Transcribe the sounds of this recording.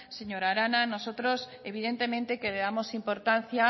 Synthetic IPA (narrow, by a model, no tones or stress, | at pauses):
seɲoɾaɾananosot̪ɾos | eβiðent̪emẽnt̪ekeleðamosimpoɾt̪an̟θja